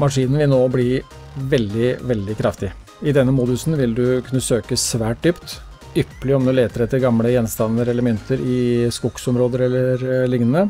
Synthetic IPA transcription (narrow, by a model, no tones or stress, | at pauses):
mɑʂiːnənʋɪlnoːblɪ | ʋɛld̪ɪʋɛld̪ɪkʰɾɑft̪ɪ | ɪd̪ɛnːəmuːd̪ʉsnʋɪld̪ʉkʰʉnːəsøːkəsʋæːʈ̚d̪yːpt̪ | ʏpːəlɪɔmd̪ʉleːt̪əɾɛt̪ːəɾɡɑmləjɛnst̪ɑnːəɾɛləmʏnt̪ʰəɾɪskʊksɔmɾoːd̪əɾɛlːəɾlɪŋnənə